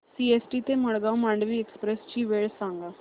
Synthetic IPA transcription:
siesʈit̪eməɭɡawmaɳɖʋiːekspɾest͡ɕiːʋeɭsãŋɡa

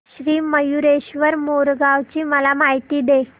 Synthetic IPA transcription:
ɕɾiːməjuɾeɕʋəɾmoɾɡaʋt͡ɕiːməlamaɦit̪iːd̪e

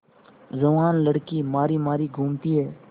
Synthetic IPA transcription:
zəʋaːnləɽkiːmaːɾiːmaːɾiːɡʱʊmt̪iɦɛː

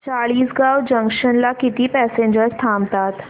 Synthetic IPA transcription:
t͡ɕaɭiːsɡawd͡ʑə̃ŋkʃənlakit̪iːpɛːsẽɲd͡ʑəɾst̪ʰamt̪aːt̪

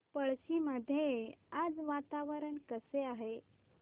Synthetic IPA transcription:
pəɭɕiməd̪ʱːjead͡zʋat̪aʋəɾəɳkəseaɦe

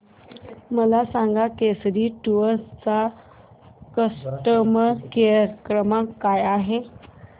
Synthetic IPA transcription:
məlasaŋɡakesɾiːʈuət͡sa | kəsʈəmkeəkɾəmakajaɦe

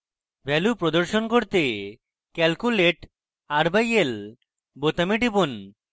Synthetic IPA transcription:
bʱɛlupɾod̪oɾʃonkoɾt̪e | kɛlkuleʈ | aɾbajel | bot̪amiʈibon

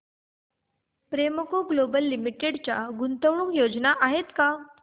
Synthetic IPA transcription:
pɾeməkoɡlobəlːimiʈeɽt͡ɕjaɡunt̪əʋɳuːkjod͡ʑnaʔaɦet̪ka

